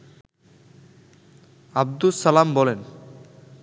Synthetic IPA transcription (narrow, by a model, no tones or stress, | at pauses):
ab̚d̪usalambɔlen